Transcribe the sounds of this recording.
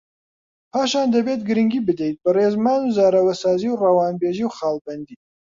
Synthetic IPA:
pʰaːʃaːnd̪ɐbet̪ɡɨɾɨŋɡiːbɨd̪ɛjt̪̚bɨreːzmaːnuzaːɾɐwɐsaːziwrɐwaːnbeːʒiwxaːlbɐnd̪iː

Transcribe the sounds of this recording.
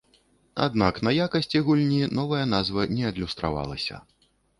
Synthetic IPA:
a̰d̪naknɐjakɐsʲt͡sʲiɣulʲnʲinɔvɐjɐnazvɐnʲɛɐd̪lʲust̪ɾa̰va̰lˠɐsʲɐ̰

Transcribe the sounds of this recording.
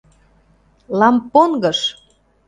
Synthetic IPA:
lɑmponɡɤʃ

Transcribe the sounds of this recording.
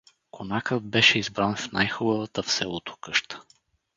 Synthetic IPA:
konakət̪̚bɛʃɛizbɾanfna̰jxʊbəvət̪əfsɛlˠot̪o̥kɤʃt̪ə̥

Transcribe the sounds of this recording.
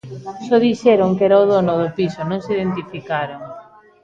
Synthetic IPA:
sɔðiʃɛɾoŋkɛɾaoðonʊðʊpisonõŋsiðent̪̬ifikaɾoŋ

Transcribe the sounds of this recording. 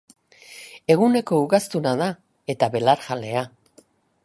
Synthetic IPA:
e̞ɣ̞une̞ko̞uɣast̪unaða | e̞t̪aβe̞laɾʝale̞a

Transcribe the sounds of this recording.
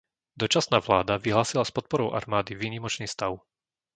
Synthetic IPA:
d̪ɔt͡ʃasnaːʋlaːd̪aʋiɦlaːsilaspɔt̪̚pɔɾɔʊʔa̰ɾmaːd̪iʋiːɲimɔt͡ʃniːst̪aʊ

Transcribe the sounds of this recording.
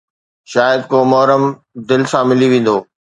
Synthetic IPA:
ʃaːjəd̪̚koːmɔɦɾəm | d̪ɪlsãmɪliʋẽːn̆d̪oː

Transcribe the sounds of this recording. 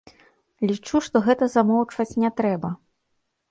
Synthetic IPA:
lʲit͡ʂuʂt̪ɔɣɛt̪ɐzamɔwt͡ʂvɐt͡sʲnʲɛt̪ɾɛbɐ

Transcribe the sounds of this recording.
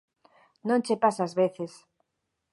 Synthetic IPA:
nõnt͡ʃepasaːzβeθes

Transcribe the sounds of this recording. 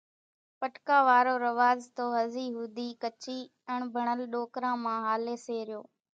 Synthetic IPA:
pəʈkãːʋaːɾoːɾəʋaːzt̪oːɦəziːɦʊd̪ʱiːkət͡ʃiː | əɳbʱəɳəlɗoːkɾãːmãːɦaːleːseːɾɪjoː

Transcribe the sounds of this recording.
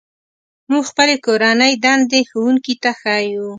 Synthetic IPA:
muɡxpəlekoɾanəjd̪and̪exawuŋkit̪axaju

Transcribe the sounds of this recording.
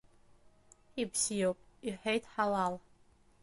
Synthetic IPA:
ibsijowpʼiħejtʰʼħalal

